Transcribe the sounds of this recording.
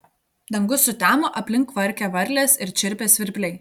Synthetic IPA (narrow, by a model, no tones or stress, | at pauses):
d̪ɐŋɡʊsːʊt̪ʲæːmoʔɐpʲlʲɪŋkʋɐɾʲkʲɛʋɐɾʲlʲeːsɪɾt͡ʃʲɪɾʲpʲeːsʲʋʲɪɾʲpʲlʲɛɪ